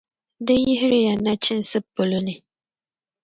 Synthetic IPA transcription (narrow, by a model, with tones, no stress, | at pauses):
dɨ˦jɪ˦ɦɪ˦ɾɪ˦ja˨na˦t͡ʃɪ˦n˦sɨ˦pːʊ˨lʊ˦nɨ˨